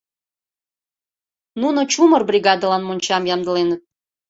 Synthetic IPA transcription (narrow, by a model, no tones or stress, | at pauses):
nunot͡ɕumərbrʲiɡɑd̪əlɑnmonʲt͡ɕɑmjɑmd̪ə̆lenət̪̚